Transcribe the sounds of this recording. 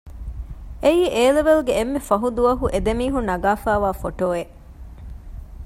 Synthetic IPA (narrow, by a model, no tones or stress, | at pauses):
eiːʔeːleʋelɡeːmːefɐɦud̪uʋɐɦuʔed̪emiːɦunɐɡaːfæːʋaːfoʈoːe